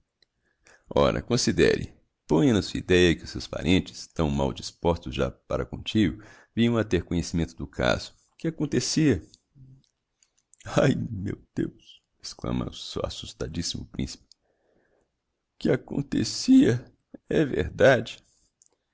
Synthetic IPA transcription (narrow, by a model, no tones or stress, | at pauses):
ɔɾɐ̰kõsid̪ɛ̰ɾɪ̰ | põjɐ̃nɐsuid̪ɛjɐkɪʊsewspa̰ɾʔẽnt͡ʃɪ̥st̪ɐ̃w̃mawd͡ʒispɔst̪ʊzʒa̰paɾɐkõt͡ʃiɡʊ | vĩɲɐ̃w̃ɐat̪eɾkõɲesimẽnt̪ʊd̪ʊkʰa̰zʊ̥ | kɪakõnt̪esiɐ | ajmewd̪̥ews | e̥sklɐ̰̃mɐ̰ʊsewasust̪ad͡ʒisimʊpɾĩsi̥pɪ̥ | kɪakõ̰nt̪esiɐ | ɛvḛɾd̪ad͡ʒɪ